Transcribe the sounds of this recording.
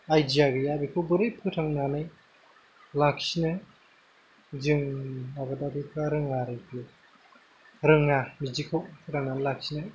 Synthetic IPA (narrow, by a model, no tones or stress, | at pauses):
ajdijaɡɯjabikʰɯbɯɾɯjpʰɯtʰaŋnanɯj | lak̚sina | zɯŋabadabipʰaɾɯŋaɾɯjpʰi | ɾɯŋamid͡ʒikʰɯwsʰɯɾananlak̚sinaj